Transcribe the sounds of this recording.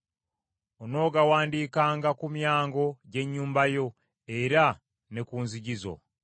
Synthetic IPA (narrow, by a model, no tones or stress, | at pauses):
ono̞ːɡawaːndiːkaːŋɡakumjaːŋɡo̞ɟe̞ɲːuːmbajo̞ | e̞ɾa | ne̞kuːnziɟizo̞̰